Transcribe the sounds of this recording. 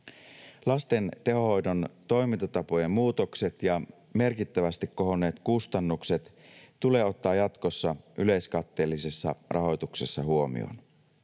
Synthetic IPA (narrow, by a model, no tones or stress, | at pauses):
lɑst̪e̞nt̪e̞ɦo̞ho̞jdont̪o̞jmint̪ɑt̪ɑpoje̞mmuːt̪okse̞t̪jɑ | me̞rkit̪ːæʋæst̪ikkːo̞ɦo̞ne̞ːt̪kust̪ɑnːukse̞t̪t̪ule̞ːo̞t̪ːɑːjɑt̪ko̞sːɑʔyle̞jskɑt̪ːe̞ːlːise̞sːɑ̰rʔɑ̰ɦo̞jt̪ukse̞sːɑhuo̞mḭo̰n